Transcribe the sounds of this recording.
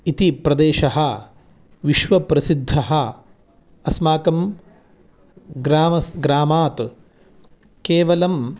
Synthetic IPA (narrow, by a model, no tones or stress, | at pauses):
it̪ipɾɐd̪eːʃɐɦɐ | ʋiʃʋɐpɾɐsid̪ʱːɐɦɐ | ɐsmaːkɐm | ɡɾaːmɐsɡɾaːmaːt̪ | keːʋɐlɐm